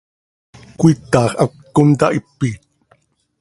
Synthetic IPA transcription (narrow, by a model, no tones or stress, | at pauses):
kuit̪ːɑːχʔakː | unt̪a̰ʔipːiːt̪̚